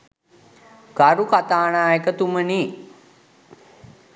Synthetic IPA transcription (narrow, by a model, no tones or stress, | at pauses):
ɡ̥aɾukat̪aːnaːekət̪uməni